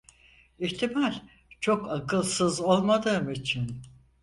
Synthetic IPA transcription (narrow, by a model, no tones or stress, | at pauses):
içt̪ʰimalʲ | t͡ʃʰo̞kakɯlˠsɯzo̞lˠmad̪ɯːmit͡ʃʰin